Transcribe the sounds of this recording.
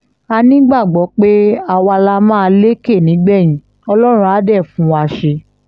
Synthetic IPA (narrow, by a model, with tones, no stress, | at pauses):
a˧nĩ˦ɡ͡ba˦˨ɡ͡bɔ˨˦k͡pe˦a˧wa˧la˦mãː˦˧le˦ke˦˨nĩ˨˦ɡ͡bɛ˦˨j̃ĩ˨˦ | ɔ˧lɔ˦ɾ̃ũ˧a˨˦dɛ˦˨fũ˨˦a˧ʃe˧